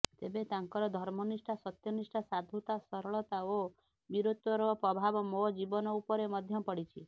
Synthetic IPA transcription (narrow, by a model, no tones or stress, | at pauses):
t̪ebet̪aŋkɔɾɔd̪ʱɔɾmɔnisʈasɔt̪jɔnisʈasad̪ʱut̪asɔɾɔɭɔt̪ao | biɾot̪ɔɾɔpɾɔbʱabɔmod͡ʒibɔnɔupɔɾemɔd̪ʱjɔpɔɽit͡ʃʰi